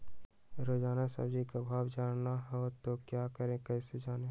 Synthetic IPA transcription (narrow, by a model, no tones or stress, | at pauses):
ɾoːd͡ʒaːnasə̰bd͡ʒikabʱaːwd͡ʒaːnnaɦɛt̪okjaːkəɾẽkɛːsed͡ʒaːneɦ